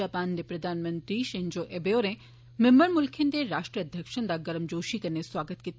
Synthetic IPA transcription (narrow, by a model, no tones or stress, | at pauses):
aːpaːnd̪epɾɐd̪ʱaːnmɐ̃nt̪ɾiʃẽɲd͡ʒoːʔebeoːɾẽ | membəɾmʊlkʰɪnd̪eɾaːʃʈɾiɐd̪ʱjəkʃə̃nd̪aɡɐɾəmd͡ʒoːʃikɐɾneswaːɡət̪kit̪